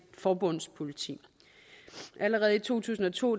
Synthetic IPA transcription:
fɒːb̥ɔ̽n̰spʰo̝lit͡sʰḭ | ʔæləʁɛːð̞̩ˠit͡sʰo̝̰ːt͡sʰṵːsn̩ɒ̽t͡sʰo̝̰ː

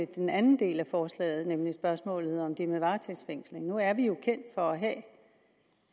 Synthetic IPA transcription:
ed̥enænn̩d̥e̝̰ːlæfɒːslɛ̰ːð̞̩ˠnemlisb̥ɶɐsmɔ̰̽ːlð̩ˠɒ̽md̥iɐmeʋɑ̈ːt͡sʰe̥sfeŋ̰sle̝ŋnuæɐʋijo̝kʰen̰d̥fɒ̽æɦɛ̰ː

